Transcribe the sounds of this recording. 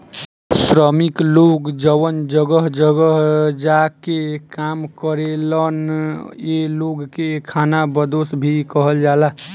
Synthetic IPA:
sɾəmikloɡd͡ʒəwənd͡ʒəɡəɦd͡ʒəɡəɦd͡ʒakekamkəɾelənjeloɡkekʰanabəd̪osbʱikəɦəld͡ʒala

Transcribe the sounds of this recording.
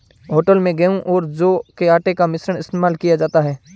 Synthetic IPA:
ɦoːʈəlmẽɡɐũʔɔːɾd͡ʒoːkeaːʈekamɪsɾəɽ̃ɪst̪eːmaːlkijad͡ʒaːt̪aɦɛː

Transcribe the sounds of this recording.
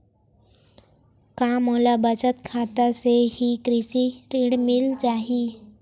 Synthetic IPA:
kaːmoːlabʱət͡ʃət̪kʰaːt̪aseɦikɾɪsiɾɪ̃ɽmɪlt͡ʃaːɦii

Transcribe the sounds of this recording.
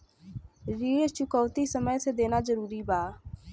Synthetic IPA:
ɾiːt͡ʃʊkɔːt̪isəməjsed̪eːnaːzəɾuːɾiːbaː

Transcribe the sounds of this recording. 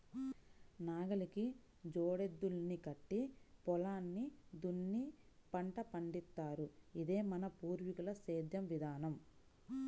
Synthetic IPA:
naːɡɐliki | d͡ʒɔːɽed̪ːulnikɐʈːipɔlaːnːid̪unːi | pɐɳʈɐpɐɳɖit̪ːaːɾuid̪eːmɐnɐpuːɾʋikɐlɐseːd̪jɐmʋid̪ʱaːnɐm

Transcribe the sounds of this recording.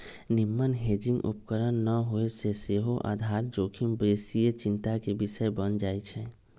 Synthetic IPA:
nɪmːənɦeːd͡ʒɪ̃ŋɡṵp̚kəɾənːəɦoeseseɦoʔa̰ːd̪ʱaːɾd͡ʒoːkʰimbeːsijət͡ʃɪ̃nt̪akebɪʃəebənd͡ʒaːet͡ʃʰɛ

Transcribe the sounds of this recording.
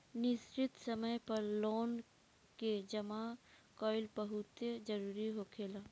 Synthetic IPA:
nɪsɾɪt̪sɐməjpɐɾloːn | ked͡ʒɐmakɔːɪlbəɦʊt̪ed͡ʒɐɾuːɾiɦokʰeːlaː

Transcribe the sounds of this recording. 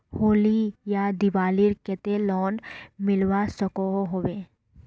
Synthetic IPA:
hoːlijad̪ɪʋaːliɾkɛt̪elɔːnmɪlwasəkoɦoɦoːʋeː

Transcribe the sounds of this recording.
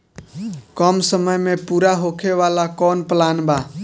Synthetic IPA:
kəmsəməjmepuɾaɦokʰeʋalakɔnplanba

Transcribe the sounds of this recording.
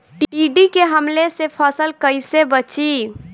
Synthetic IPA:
ʈʈiɖikeɦəmlesepʰəsəlkəjsebət͡ʃi

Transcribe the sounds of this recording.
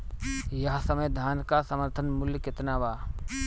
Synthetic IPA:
jɐɦsəməjd̪ʱaːnkasəməɾt̪ʰənmʊljəkɪt̪naːʋaː

